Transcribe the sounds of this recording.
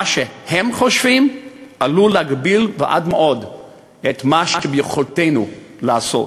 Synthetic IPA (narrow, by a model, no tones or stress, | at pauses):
aʃehemχoʃvimʔaluleaɡbilveʔa̰d̪meʔo̞d | et̪maʃbjuχolt̪ejnu | laːso̰t